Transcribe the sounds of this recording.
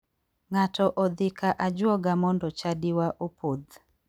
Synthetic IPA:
ŋatʰɔʔɔd̪ɪkaʔad͡ʒwɔɡamɔndɔt͡ʃadiwaʔupʰod̪

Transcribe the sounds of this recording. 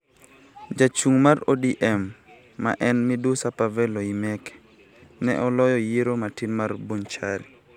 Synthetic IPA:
d͡ʒat͡ʃuŋmaɾo̰diʔɛmː | a̰ʔɛnmidusapavɛloimɛk | nɛ̰ʔɔlɔjɔjiɾomatinmarbont͡ʃaɾi

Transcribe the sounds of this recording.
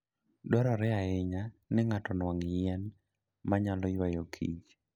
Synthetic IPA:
dɔɾɔɾɛaɪɲanɪŋatɔnwaŋɛn | maɲalɔjwajokʰḭd͡ʒ

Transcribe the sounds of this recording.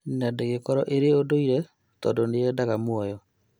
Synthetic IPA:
nadeɣekɔɾɔʔeɾeodoiɾɛ | tɔːndoneɛdaɣamwɔjɔ

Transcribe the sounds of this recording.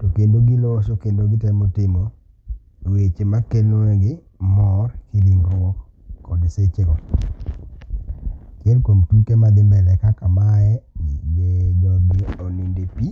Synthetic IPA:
tokendoɡɪlɔɔsokendoɡɪtɛmotɪmɔ | wet͡ʃemakeleɡɪ | mɔrkiliŋɡɾɔk | kɔdiset͡ʃekɔ | kjɛnkompikemad̪ɪmɛlɛkakamaɛiɲenoŋɡiɔnindepi

